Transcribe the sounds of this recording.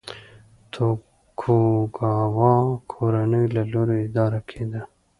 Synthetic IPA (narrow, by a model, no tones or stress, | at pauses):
t̪ʰo | kʰoɡɑwɑkʰoɾanəjlaloɾoɪd̪ɑːɾakʰed̪a